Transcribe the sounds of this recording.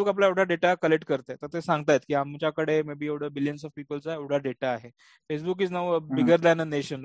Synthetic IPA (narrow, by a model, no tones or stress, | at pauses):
ebukap̬laewɽaɖeʈakəleʈkəɾt̪et̪əɾt̪esãŋɡ̚t̪ajet̪kiːamt͡ɕjakəɽemebiːewɽ̤əbilijənsɔfpiːpəlt͡saewɽ̤aɖeʈaːɦe | fes̬buk̬iːt͡snaʋbiɡəɾd̪anəneɕən